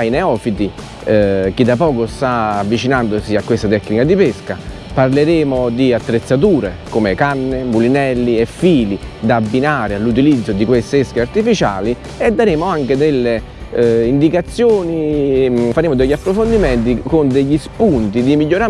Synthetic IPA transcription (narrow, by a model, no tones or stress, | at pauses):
ineɔːfit̪i | k̟id̪apɔːkost̪aavːit͡ʃinand̪osiakːwest̪at̪ɛkːnikad̪ipeska | parleɾeːmod̪iat̪ːɾet̪sːat̪̬uːɾekomekanːemulinɛlːiefːiːlid̪aːbːinaːɾealːut̪̬ilid̪zːod̪ikwest̪eeskeart̪ifit͡ʃa̰ːli | ed̪ːaɾeːmoaŋk̟ed̪elːe | ind̪ikat̪sːjoːni | faɾeːmoʊd̪ɛʎːapːɾofond̪imɛnt̪̬ikond̪eʎːispunt̪id̪imiʎːoɾa